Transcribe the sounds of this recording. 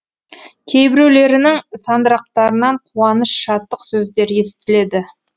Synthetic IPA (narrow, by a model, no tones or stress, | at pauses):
kʲʰe̞jbɪɾuwle̞ɾɪnɪŋsɑnd̪əɾɑq̚t̪ɑɾənɑɴqʰuɑnəsʃɑt̪ːəqsɵzd̪e̞ɾje̞sɪ̥t̪ɪle̞d̪ɪ